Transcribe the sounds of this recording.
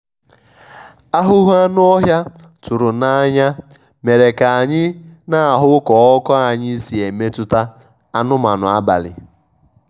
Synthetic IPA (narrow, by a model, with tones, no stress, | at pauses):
a˦ɦʊ˦ɦu˦a˦nʊ˦ɔ˦ɦja˦ | tʊ˨ɾʊ˨na˦ɲa˦ | me˨ɾe˨ka˨a˨ɲɪ˦na˦a˨ɦʊ˦kɔ˨ɔ˦kɔ˦a˨ɲɪ˦i˦si˨e˨me˦tʊ˦ta˦ | a˦nʊ˦ma̰˨nʊ̰˨a˦ba̰˨lɪ̰˨